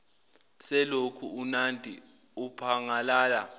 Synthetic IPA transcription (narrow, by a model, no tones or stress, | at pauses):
sɛlokʰuunandʱḭ | upʰaŋalaːla